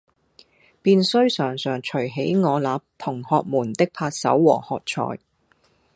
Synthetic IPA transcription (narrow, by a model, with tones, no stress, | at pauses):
piː˧nsɵ˥ɥsœː˨˩ŋsœː˨ŋt͡ʃʰɵ˨˩ɥɦe˨˥jŋɔː˨˧laː˨˧p̚t̪ʰʊ˨˩ŋhɔː˨˧k̚muː˨˩nt̪ɪ˥k̚pʰaː˧t̚sɐ̰˨˥wːɔː˨˩hɔː˨k̚t͡ʃʰɔ̰ː˨˩j